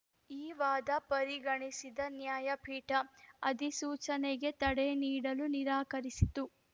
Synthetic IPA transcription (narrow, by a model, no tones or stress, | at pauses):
iːʋaːd̪ɐpɐɾiɡɐɳisid̪ɐnjaːjɐpʰiːʈɐɐd̪isuːt͡ʃɐneɡe̞t̪ɐɽeniːɽɐluniɾaːkɐɾisit̪u